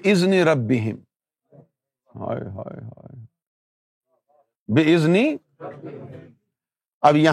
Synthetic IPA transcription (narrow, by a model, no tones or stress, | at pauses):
ɪzniɾɐbːɪɦɪm | ɦa̰jɦa̰ːjɦa̰j | bɪɪzni | ɐbjɐ